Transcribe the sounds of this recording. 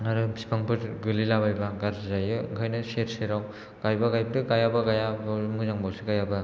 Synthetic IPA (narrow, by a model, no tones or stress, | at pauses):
ŋaɾɯbsi̥pʰaŋpʰɯtɡɯlilabajbaɡaɾzajɯɡʰʱajnɐseɾseɾaw | ɡ̥ajbaɡajbɐdɯɡajabɐɡajabmuzaŋbawsiɡajabɐ